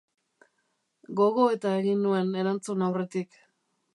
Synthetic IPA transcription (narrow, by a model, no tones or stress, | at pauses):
ɡo̞ɣo̞e̞t̪ae̞ɣinːue̞ne̞ɾant͡sunawre̞t̪ik